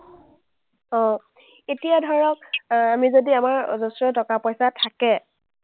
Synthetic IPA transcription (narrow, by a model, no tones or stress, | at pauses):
ɔ̃ | etijadʱɔɹɔk̚amizodiamaɹzɔsɹɔtɔkapɔjsatʰakɛ